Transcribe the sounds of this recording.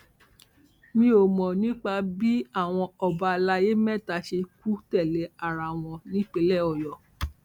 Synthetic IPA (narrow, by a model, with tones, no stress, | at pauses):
mĩ˧˦o˨mɔ̃˨nĩ˨˦k͡pa˧bi˦a˦˨w̃ɔ̃˧ɔ˨ba˧la˧je˦mɛ̃˦˨ta˧˦ʃe˧ku˦tɛ˦˨lɛ˨˦a˨ɾa˨w̃ɔ̃˧nĩ˨˦k͡pe˨˦lɛ˦˨ɔ˨jɔ˨